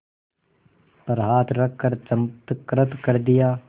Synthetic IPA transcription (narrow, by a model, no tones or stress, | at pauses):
pəɾɦaːt̪ɾɐkʰːəɾɐmt̪kɾət̪kɐɾd̪ɪjaː